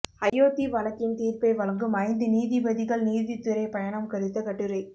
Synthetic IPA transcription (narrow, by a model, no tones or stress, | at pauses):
ɐjːoːt̪iʋɐlɐkːɪnt̪iːɾpɐɪʋɐlɐŋɡɯmɐɪnd̪ɯniːðɪʋɐðɪɣɐɭniːðɪt̪ːɯɾɐɪpɐjɐɳɐmkɐɾɯt̪ːɐkɐʈːɯɾɐɪ